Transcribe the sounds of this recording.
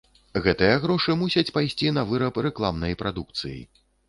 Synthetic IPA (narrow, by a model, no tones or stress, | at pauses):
ɣɛt̪ɨjɐɣɾɔʂɨmusʲɐt͡sʲpajsʲt͡sʲinɐvɨɾɐprɛklˠamnɐjpɾʔad̪uk̚t̪sɨjḭ